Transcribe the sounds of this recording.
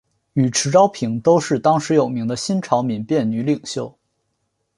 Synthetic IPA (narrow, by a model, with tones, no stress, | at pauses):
y˨˩ʈ͡ʂʰɻ̩˧˥ʈ͡ʂɑ˥ʊpʰi˨˧˩ŋt̪o˥ʊʂɻ̩˥˩t̪ɑ˥ŋʂɻ̩˧˥jo˨˩ʊmi˧˥ŋd̪ə˧ɕi˥nʈ͡ʂʰɑ˧˥ʊmi˨˥npjɛ˥˩nny˧˥li˨˩ŋɕjo˥˩ʊ